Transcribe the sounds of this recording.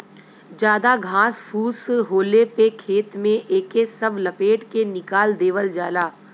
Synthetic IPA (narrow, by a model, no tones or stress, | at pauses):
d͡ʒjaːd̪aɡʱãːsfʰuːsɦoːlepekʰeːt̪mẽʔeːkesɐblɐpeːʈkenɪkaːld̪eːʋəld͡ʒaːlaː